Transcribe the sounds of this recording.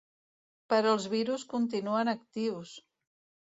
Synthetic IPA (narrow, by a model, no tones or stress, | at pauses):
pəɾəlˠzβiɾuskunt̪inuənəkt̪iws